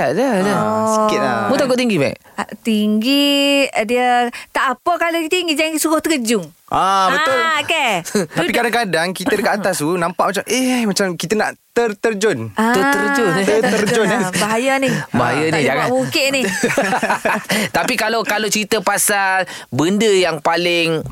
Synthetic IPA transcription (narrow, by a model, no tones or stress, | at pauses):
adədəsikɪt̪mũt̪akʊt̪t̪iŋɡibaḭʔ | t̪iŋɡidiət̪aʔapəkalokit̪iŋɡid͡ʒaɡisuɾʊht̪əkəd͡ʒʊŋʔabbət̪ʊlkat̪apikadaŋkadaŋkit̪ədəkatːatt̪asunãmpaʔmat͡ʃamʔehmat͡ʃamkit̪əna̰ʔt̪ərt̪ərd͡ʒʊnaət̪əɾd͡ʒoət̪ərd͡ʒʊnbaɦajanɪba̰ɦa̰janihd͡ʒaŋabukɪʔnɪ | t̪apikalokalowt͡ʃəɾit̪əpasalbəndəjaŋpalɪŋ